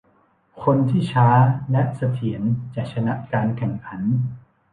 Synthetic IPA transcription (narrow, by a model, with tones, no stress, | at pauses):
kʰo˧nt̪ʰiː˥˩t͡ɕʰaː˦˥lɛ˦˥ʔsa˧t̪ʰi˩˦ənt͡ɕa˨˩k̚t͡ɕʰa˧na˦˥ʔkaː˧nkʰɛ˨˩ŋkʰa˩˦n